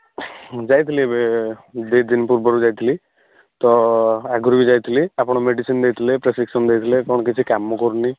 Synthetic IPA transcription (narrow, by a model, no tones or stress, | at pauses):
d͡ʒajt̪ʰilibed̪ed̪inipuɾbɔɾud͡ʒajt̪ʰili | t̪ɔaɡɔɾbid͡ʒajt̪ʰiliapɽ̃ɔmeɖisind̪ejt̪ʰilepɾesiksɔnd̪ejt̪ʰilekɔɽ̃ɔkit͡ʃʰikamːɔkɔɾni